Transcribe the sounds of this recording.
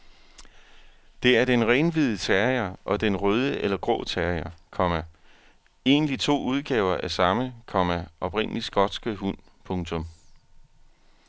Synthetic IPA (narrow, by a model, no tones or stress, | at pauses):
d̥e̝æɐd̥enʁɛnʋið̞ˠət͡sʰæɐjɐʔɒ̽d̥enʁœð̞ˠəʔelɐɡ̥ʁɔ̰ːt͡sʰæɐjɐkʰɒ̽mæ | e̝̰ːnəlit͡sʰo̝̰ːuð̞ˠɡ̥ɛːʊɐʔæɐsɑ̈məkʰɒ̽mæɒ̽b̥ʁen̰əlisɡ̥ɒ̽d̥sɡ̥əɦun̰ | pʰɔ̽ŋt͡sʰɔ̽m